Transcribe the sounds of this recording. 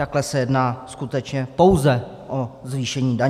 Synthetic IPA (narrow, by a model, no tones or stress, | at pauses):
aklɛsɛjɛdnaːskut̪ɛt͡ʃɲɛpo̞wzɛ | ʔozviːʃɛɲiːda